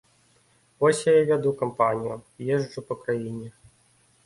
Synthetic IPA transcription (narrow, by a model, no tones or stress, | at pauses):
vɔsʲjajavʲad̪ukɐmpanʲijʊjɛʐupɐkɾajinʲɛ